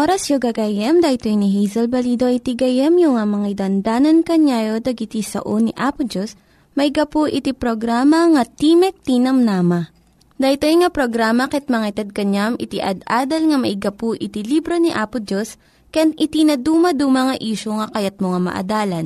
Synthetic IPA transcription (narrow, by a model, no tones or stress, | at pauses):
ʔoːɾɐsjoɡɐɡɐjɛmd̪ajt̪ojniɦijzɛlbɐliːd̪oʔit̪iɡɐjɛmjʊŋamɐŋɐid̪ɐnd̪aːnɐnkɐɲajod̪ɐɡɪt̪isɐ̰ʔoniʔaːpʊt̪̚d͡ʒos | mɐɪɡɐpuʔɪt̪ipɾoɡɾaːmɐŋɐt̪imɛk̚t̪inɐmnaːmɐ | d̪ɐjt̪ojŋɐpɾoɡɾaːmɐkɛt̪̚mɐŋɐt̪ɛd̪̚kɐɲamʔɪt̪iʔɐd̪ʔaːd̪ɐlŋɐmɐʔɪɡɐpuʔɪt̪ilibɾoniʔaːpʊt̪̚d͡ʒos | kɐanʔɪt̪inɐd̪uːmɐd̪umɐŋɐʔiːʃʊŋɐkɐjat̪̚moŋamɐ̰ʔɐ̰d̪aːlɐn